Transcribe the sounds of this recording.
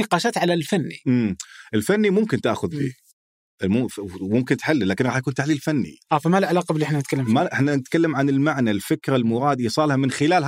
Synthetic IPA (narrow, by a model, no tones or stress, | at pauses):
iqɑːʃat̪ʕalalfanːimmʔɪlfanːimʊmkɪnt̪aʔxʊðbḭː | ʔmʊmʊmkɪnt̪ħalːlaːkɪnɣɑːħjakuːnt̪aħliːlfanːḭʔaːfamalʕalɑːqɑbɪlːiɪħnanɪt̪kalːammaʔɪħnanɪt̪kalːamʕanɪlmaʕnalfɪkɾalmʊɾˤɑːd̪ʔiːsˤɑːlhamɪnxɪlaːlɦ